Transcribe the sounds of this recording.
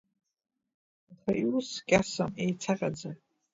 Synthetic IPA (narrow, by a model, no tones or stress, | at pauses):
χaʔiuskʲʼasamejt͡sʰaqʼad͡za